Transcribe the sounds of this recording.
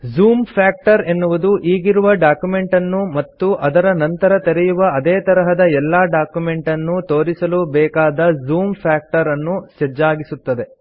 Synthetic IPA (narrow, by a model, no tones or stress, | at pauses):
zuːmpʰaːk̚ʈɐɾenːuʋud̪uʔiːɡiɾuʋɐɖaːkjume̞ɳʈɐnːumɐt̪ːuʔɐd̪ɐɾɐnɐnt̪ɐɾɐt̪eɾɛjuʋɐɐd̪eːt̪ɐɾɐɦɐd̪ɐɛlːaːɖaːkjume̞ɳʈɐnːut̪o̞ːɾisɐlubɛːkaːd̪ɐzuːmpʰaːk̚ʈɐɾɐnːused͡ʒaːɡisut̪ːɐd̪e̞